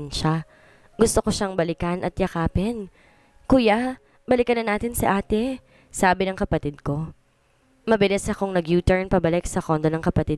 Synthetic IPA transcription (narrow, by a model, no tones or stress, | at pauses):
nʃa | ɡʊst̪oko̞ʃaŋbɐlɪkanʔɐ̰t̪jɐkaːpɛn | kuːja | bɐlɪkɐnɐnaːt̪ɪnsɐ̰ʔaːt̪ɛ | saːbɪnɐŋkɐpɐt̪ɪd̪̚ko̞ | mɐbɛlɪsɐkoŋnɐɡjuːt̪ɛɹnpɐbɐlɪksɐko̞nd̪onɐŋkɐpɐt̪id̪̚